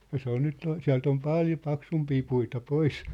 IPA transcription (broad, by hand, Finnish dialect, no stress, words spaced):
jɑ se on nyt siæ̝lt om pɑˑljo pɑksumpiː puitɑ pois